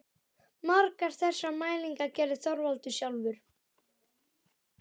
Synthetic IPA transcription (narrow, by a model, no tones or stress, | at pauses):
maɾkaɾ̥θɛsːamaːjliŋkacɛːɾðɪθɔɾvalt̪ʏsjawlvʏɾ̥